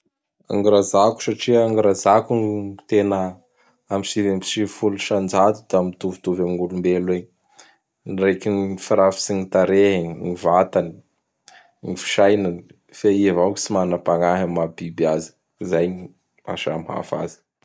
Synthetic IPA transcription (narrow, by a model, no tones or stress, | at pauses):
a̰ŋiɾazaku̥saʈ͡ʂiəaŋiɾazakunt̪enə | amisivembi̥ʃifuluʃand͡ʒat̪ud̪̥amit̪uvut̪uvamiŋulumbele | nrekinifiɾafi̥sinit̪aɾeɦŋivat̪ani̥ | nifi̥ʃajnani | feivawki̥simanapaŋaɦamabibiazi̥ | zaji | a̰ʃa̰mha̰fa̰zi̥